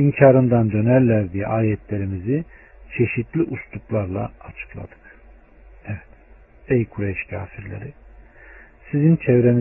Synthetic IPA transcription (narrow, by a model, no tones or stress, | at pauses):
imcʰaːɾɯnd̪and̪ø̞næɾlʲæɾd̪ij̰ʔaːjɛt̪ʰlʲe̞ɾimizit͡ʃʰe̞ʃit̪lʲiʔust̪ʰuplˠaɾlˠa̰ːt͡ʃʰɯ̥klˠa̰d̪̥ɯ̥k | ɛvɛt̪ | ɛjkʰuɾɛʃcʰa̰ːfiɾlʲḛɾi | sizint͡ʃʰɛvɾemi